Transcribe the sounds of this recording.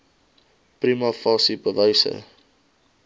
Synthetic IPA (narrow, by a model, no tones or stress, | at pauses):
pɾimɐfɑːsipəvɐjsə̰